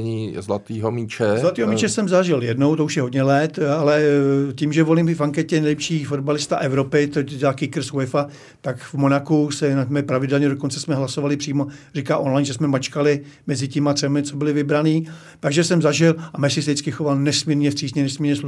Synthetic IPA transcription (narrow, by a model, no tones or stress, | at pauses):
ɲizlat̪iːɦomit͡ʃɛzlat̪iːɦomit͡ʃɛsɛmzaʒɪljɛdnowt̪ouʃjɛɦodɲɛlɛt̪alɛciːmʒɛvo̞limfaŋkɛcɛnɛjlɛpʃiːfodbalɪst̪aʔɛvɾo̞pɪt̪otɛdaːkɪkɾ̩sɛfa | t̪akvmonakusɛnat̪mɛpɾavɪdɛlɲɛdoko̞nt͡sɛsmɛɦlasovalɪpr̥iːmo̞rikaːʔo̞nlajnʒɛsmɛmat͡ʃkalɪ | mɛzɪcɪmat̪r̥ɛmɪt͡so̞bɪlɪvɪbɾaniː | t̪aɡʒɛsɛmzaʒɪlʔamɛsɪs̬ɛɪt͡skɪxovalnɛsmiːɾɲɛfr̥iːzɲɛnɛsmiːɾɲɛslu